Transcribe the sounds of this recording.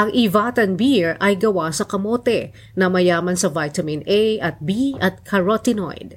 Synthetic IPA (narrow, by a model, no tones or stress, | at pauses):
ʔɐŋʔivat̪ɐnbiɹʔɐjɡɐwasɐkɐmoːt̪ɛ | nɐmɐjaːmɐnsɐvajt̪ɐmɪnejʔɐt̪̚biɐt̪̚kʰɐɹot̪ɪno̰jd̪̚